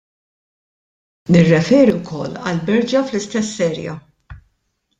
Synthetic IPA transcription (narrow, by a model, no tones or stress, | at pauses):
nɪrːɛfɛːɾiwkʰɔ̰lːɐ̰lbɛɾd͡ʒjɐflɪst̪ɛsːɛːɾjɐ̰